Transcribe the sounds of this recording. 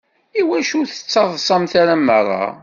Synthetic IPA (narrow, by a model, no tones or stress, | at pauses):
iwæʃuθə̥t͡sːɑðˤsˤɑmθaɾamːərˤɑ̰